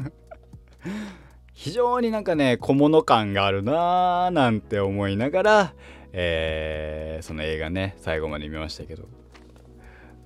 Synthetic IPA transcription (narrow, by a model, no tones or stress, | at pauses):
çiʑo̞ːɲ̟inãŋkane̞kʰo̞mo̞no̞kãŋɡaːɾɯ̟naːnãnt̪e̞o̞mo̞inaɡaɾa | eː | so̞no̞e̞ːɡane̞saiɡo̞mad̪e̞mʲimaɕi̥t̪ake̞d̪o̞̰